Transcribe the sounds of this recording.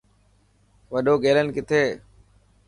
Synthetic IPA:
ʋəɗoːɡeːlənkɪt̪ʰeː

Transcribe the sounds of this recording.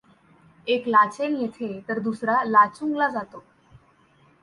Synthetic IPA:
eklat͡senjet̪ʰet̪əɾd̪usɾalat͡suŋɡlad͡zat̪o

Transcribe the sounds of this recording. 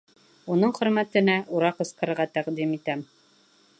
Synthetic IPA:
unɤɴχɵ̆ɾmæt̪ɘ̆næʔuɾɑqɤ̆sqɤ̆ɾɾʁɑt̪æqd̪imit̪æm

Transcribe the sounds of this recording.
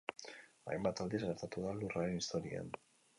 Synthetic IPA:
a̰jmbat̪ald̪izɣeɾt̪at̪uðalurae̞nist̪o̞ɾia̰n

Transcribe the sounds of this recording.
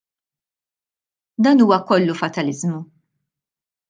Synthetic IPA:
d̪ɐːnuːwɐkɔlːufɐt̪ɐlɪzmu

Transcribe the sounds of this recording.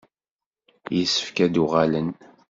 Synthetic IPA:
jəsːə̥fkæd̪uʁalən

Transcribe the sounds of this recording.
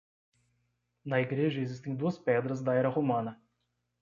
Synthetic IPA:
nɐiɡɾeʒɐezis̬t̪ẽj̃d̪uɐspɛd̪ɾɐzd̪ɐɛɾɐhomɐ̃nɐ

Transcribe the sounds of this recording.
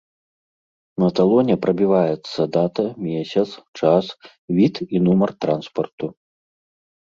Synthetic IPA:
nɐt̪alˠɔnʲɛpɾɐbʲivajɛt̪sːɐd̪at̪ɐmʲesʲɐt̪st͡ʂas | vʲit̪inumɐrt̪ɾanspɐrt̪u

